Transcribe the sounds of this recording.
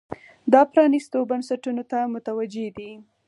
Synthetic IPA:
d̪ɑpɾɑnist̪obansaʈunot̪amʊt̪awad͡ʒed̪i

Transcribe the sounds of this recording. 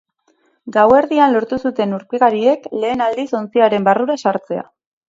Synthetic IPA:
ɡawe̞ɾðianlo̞ɾt̪usut̪e̞nuɾpeɣaɾie̞kle̞ːnald̪iso̞nt͡siaɾe̞mbaruɾasaɾt͡se̞a̰

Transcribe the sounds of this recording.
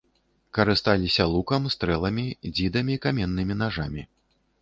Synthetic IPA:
kɐɾɨst̪alʲisʲɐlˠukɐmst̪ɾɛlˠɐmʲid͡zʲid̪ɐmʲiːkamʲɛnːɨmʲinaʐamʲi

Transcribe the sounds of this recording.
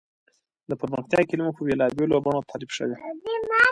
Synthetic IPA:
d̪əpəɾməxt̪jɑkilimopəbelɑbjolobɑɳot̪ʰɑlibʃə̰wem

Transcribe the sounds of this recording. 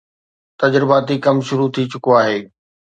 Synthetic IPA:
t̪ɐd͡ʑɾɪbaːt̪ikɐmʃʊɾut̪ʰit͡ɕʊkoaːɦeː

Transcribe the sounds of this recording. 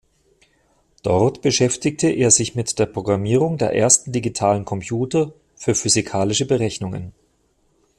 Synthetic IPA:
d̥ɔʁtb̥əʃɛftɪk̚tʰəʔeːɐzɪçmɪtd̥eːɐpʁ̥oɡʁamiːʁʊŋdeːɐʔeːɐstn̩diɡitʰaːlənkʰɔmpjuːtɐ | fyːɐfyzikʰaːlɪʃəbəʁɛçnʊŋə̰n

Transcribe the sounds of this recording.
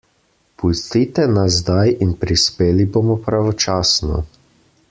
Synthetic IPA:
pust̪it̪ɛnazd̪ajinpɾispeːlibomɔpɾaʋɔt͡ʃaːsnɔ̰

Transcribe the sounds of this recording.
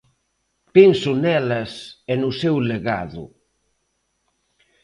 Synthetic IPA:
pinsunɛlɐsenusɛwleɣa̰ðṵ

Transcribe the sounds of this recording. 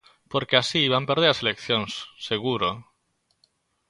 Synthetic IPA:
poɾkeasiβampeɾð̞eɾaselekθjoŋsːeɣuɾo

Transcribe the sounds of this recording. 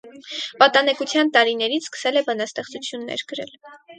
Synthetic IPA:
pɑt̪ɑnɛkut͡sʰjɑnt̪ɑɾinɛɾit͡sʰskə̥sɛlɛbɑnɑst̪ɛχt͡sut͡sʰjunːɛ̰ɾɡəɾɛ̰l

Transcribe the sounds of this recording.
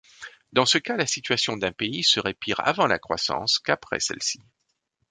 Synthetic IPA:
d̪ɑ̃səkalasit̪ɥasjɔ̃d̪ɛ̃peisəʁepiʁa̰vɑ̃la̰kχwa̰sɑ̰̃skapχɛ̰sɛ̰lsi̥

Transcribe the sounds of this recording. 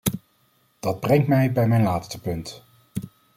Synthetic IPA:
d̥ɑd̚brɛŋtmɛjbɛjmɛjnlaːtstəpɵnt

